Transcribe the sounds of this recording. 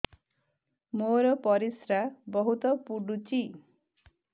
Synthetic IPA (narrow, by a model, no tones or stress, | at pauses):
moɾʌpʌɾisɾabʌɦut̪ʌpuɖut͡si